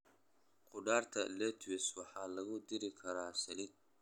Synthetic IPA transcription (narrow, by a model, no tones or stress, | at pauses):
qʊɖaːrt̪ʰɐlɛt̪ʰwɪswɑħɑːlɐɣʊd̪ɪɾɪkʰɐɾaːsɐlɪ